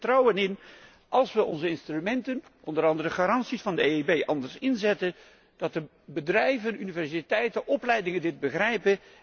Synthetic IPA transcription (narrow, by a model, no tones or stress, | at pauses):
trɔwənɪn | ʔɑlˠsʋəɔ̰nzəɪnstrymɛntənʔɔndəɾɑndəɾəχaɾɑnsisfɑndəejebejʔɑndəɹsɪnzɛtən | d̥ɑtə | bədrɛjvənynivɛɹsitɛjtəʔɔplɛjdɪŋəndɪt̚bəχrɛjpə